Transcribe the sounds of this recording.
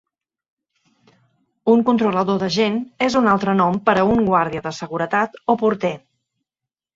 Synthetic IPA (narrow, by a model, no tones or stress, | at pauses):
uŋkunt̪ɾuləðoðəʒenezunalˠt̪ɾənɔmpəɾəuŋɡwaɾð̞iəðəsəɣuɾət̪at̪opuɾt̪ɛ